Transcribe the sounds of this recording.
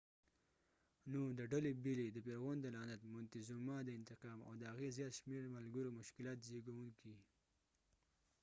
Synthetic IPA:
nod̪əɖalebiled̪əpeɾɣond̪əlɑnat̪mʊnt̪ɪzumɑd̪əɪnt̪ɪqɑːma̰wd̪əhaɣezjɑːt̪ʃmeɾmalɡəɾomʊʃkɪlɑːt̪zeɡawuŋki

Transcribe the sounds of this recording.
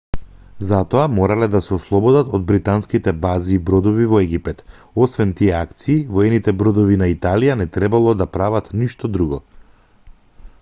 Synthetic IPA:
zat̪ɔamɔɾalɛd̪asɛɔslˠɔbɔd̪at̪ɔd̪̚bɾit̪anskit̪ɛbaziːbɾɔd̪ɔvivɔɛɡipɛt̪ | ɔsvɛnt̪iɛakt̪siːvɔɛnit̪ɛbɾɔd̪ɔvinait̪alijanɛt̪ɾɛbalˠɔd̪apɾavat̪niʃt̪ɔd̪ɾuɡɔ

